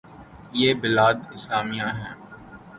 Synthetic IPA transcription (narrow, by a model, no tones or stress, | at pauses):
jeːbɪlaːd̪ɪslaːmijãɦɛ̃ː